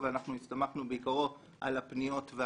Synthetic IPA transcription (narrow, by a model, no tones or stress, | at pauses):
veanaχnuist̪amaχnubeikaʁo̞ | ʔa̰lapnijo̞tve